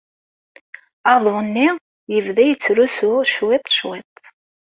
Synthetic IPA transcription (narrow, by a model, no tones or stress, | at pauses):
ɑðˤunːi | jəvðæjət͡sːɾusuʃwɪt̪ˤʃwɪt̪̚ˤ